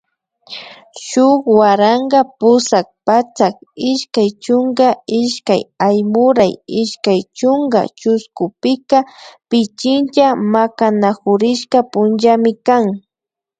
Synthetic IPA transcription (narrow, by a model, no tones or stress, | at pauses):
ʃʊkwaɾaŋɡapʊsak̚pat͡sakɪʃkajt͡ʃʊŋɡaɪʃkajajmʊɾajɪʃkajt͡ʃʊŋɡa̰t͡ʃʊskʊpɪkapɪt͡ʃɪnt͡ʃamakanaxʊɾɪʃkapʊnʒamɪkaŋ